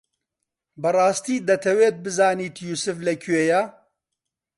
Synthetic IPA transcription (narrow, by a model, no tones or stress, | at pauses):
bɐrɑːst̪iːd̪ɐt̪ʰɐweːt̪̚bɨzaːniːt̪juːsɨflɐkʰweːja